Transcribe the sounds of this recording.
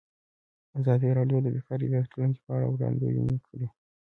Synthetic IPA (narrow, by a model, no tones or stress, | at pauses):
azɑd̪iɾɑɖjod̪əbifɑɾḭd̪at͡ʃland͡ʒepəaɽa̰wɾɑ̰nd̪ḛjṵnikʰəɽi